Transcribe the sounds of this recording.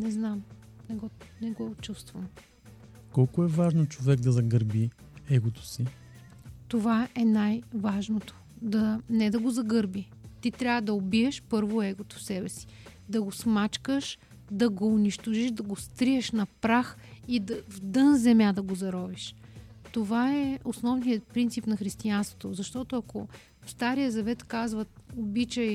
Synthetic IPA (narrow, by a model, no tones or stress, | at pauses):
nɛznam | nɛɡɔnɛɡɔott͡ʃust̪vəm | kɔlˠkʊɛvaʒnot͡ʃovɛɡ̚d̪ɐzɐɡəɾbi | ɛɡot̪o̥si | t̪ovaɛnajvaʒnot̪o̥ | d̪ɐnɛd̪ɐɡozɐɡɤɾbi | t̪it̪ɾʲavəd̪ɐobiɛʃpɤɾvoɛɡot̪o̥fsɛbɛsi̥ | d̪ɐɡosmat͡ʃkəʃ | d̪ɐɡoːniʃt̪oʒiʃd̪ɐɡost̪ɾiɛʃnɐpɾax | id̪ɐvd̪ɤnzɛmʲjad̪ɐɡozɐɾɔviʃ | t̪ovaɛosnɔvnijət̪pɾint̪sipnɐxɾist̪ianst̪vo̥t̪ozɐʃt̪ɔt̪oɐko | fst̪aɾijəzɐvɛt̪kazvəobit͡ʃəj